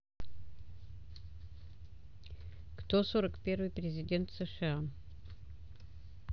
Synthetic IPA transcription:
kt̪osoɾəkpʲe̞rvɨjpɾʲɪzʲɪdʲe̞nt̪sɨʂɨa

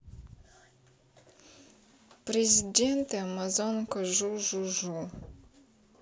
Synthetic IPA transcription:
prezʲident̪amazonkɐʒuʒuʒul

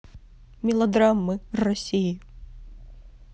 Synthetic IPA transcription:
mʲilˠɐd̪ɾamːɨrɐsʲiji

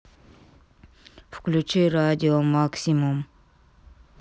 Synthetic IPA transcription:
fy̥kʲlyt͡ʃʰyɾad̪ʲiomaksimum

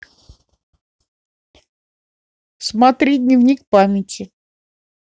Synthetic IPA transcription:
smat̪ɾʲid̪ʲnʲɪvnʲikpamʲɪtʲɪ

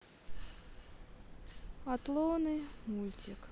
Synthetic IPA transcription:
at̪lˠɔnɨmulʲt͡sʲik

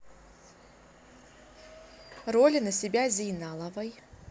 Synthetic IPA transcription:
rolʲinɐsʲɪbʲazʲijnalˠɐvɐj

